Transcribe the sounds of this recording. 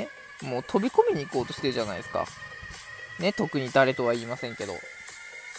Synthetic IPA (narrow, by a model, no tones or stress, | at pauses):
moːt̪ʰo̞bʲiko̞mʲiɲ̟iːko̞ːt̪o̞ɕe̞ɾɯ̟ʑana̰id̪esɨ̥ka̰ | ne̞t̪o̞kɯ̟ɲ̟id̪aɾe̞t̪o̞βaiːmasẽ̞ŋke̞d̪o̞̰